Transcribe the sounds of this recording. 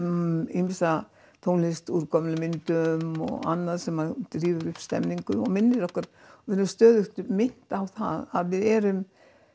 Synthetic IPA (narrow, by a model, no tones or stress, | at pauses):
imɪsa | t̪ʰownlɪst̪uːɾkɔmlɪmɪnt̪ʏmɔ̰ɣa̰nːaðsɛmad̪ɾiːvʏɾʏhpst̪ɛ̰mniŋkʏɔ̰ɣmɪnːɪɾɔhkvaɾ | vɪɾʏmst̪œːðʏxt̪ʏmɪn̥t̪awθa̰ðaðvɪðɛːɾʏm